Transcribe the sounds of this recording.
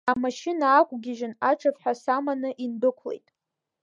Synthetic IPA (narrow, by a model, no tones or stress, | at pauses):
amaʃɪnaːkʷʼɡʲɪʒɪnaʈ͡ʂʰʼapħʷᶣasamanɨʔindɨkʷʰlḛjtʼ